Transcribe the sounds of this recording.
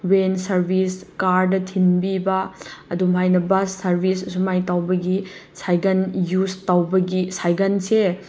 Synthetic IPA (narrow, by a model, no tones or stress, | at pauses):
wensɐɾbʱiskaɾdɐtʰinbibɐɐdumɦajnɐbɐsːɐɾbʱisɐsumajtawbɐɡi | sajɡɐnjustawbɐɡisajɡɐnse